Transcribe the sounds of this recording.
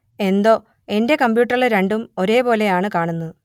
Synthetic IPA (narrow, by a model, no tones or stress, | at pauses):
e̞nd̪o̞ː | e̞nde̞kɐmbjuːʈːɐriɭɨɾeɳɖumo̞ɾe̞ːpo̞ːle̞jaːɳɨkaːɳunːu